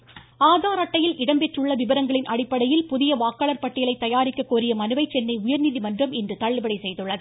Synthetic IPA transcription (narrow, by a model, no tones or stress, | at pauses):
aːðaːɾɐʈːɐjɪlʔɪɽɐmpɛʈrɯɭːɐʋɪbɐɾɐŋɡɐɭɪnʔɐɽɪpːɐɽɐjɪlpʊðɪjɐʋaːkːɐɭɐɾpɐʈːɪjɐɭɐɪt̪ːɐjaːɾɪkːɐkːuːɾɪjɐmɐnɯʋɐɪt͡ʃːɛnːɐɪʊjɐɾniːðimɐndrɐmɪndrɯt̪ɐɭːɯbɐɽɐɪsɛjðɯɭːɐðɯ